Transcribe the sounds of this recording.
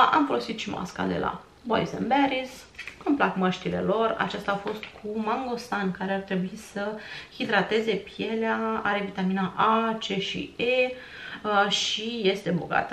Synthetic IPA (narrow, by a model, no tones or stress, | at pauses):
ʔamfo̞lo̞sit̪ʃima̰ska̰d̪e̞̰lʔa̰ | boizə̰nbeɾis | kɨmplakməʃt̪ile̞̰lo̞ra̰t͡ʃast̪aːfo̞st̪kʰumaŋɡo̞st̪ankaɾe̞art̪ɾe̞buisəhid̪ɾat̪e̞ze̞pije̞leaaɾe̞vit̪aminaʔat͡ʃeʃḭe | ʃije̞st̪e̞boɡa̰t̪ə